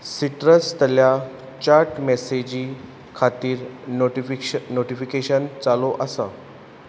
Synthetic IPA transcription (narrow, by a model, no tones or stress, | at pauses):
siʈɾəst̪əlja | t͡ɕaɾʈmɛsed͡ʑiː | kʰat̪iːɾ | noʈifikeɕənt͡saloʔəsa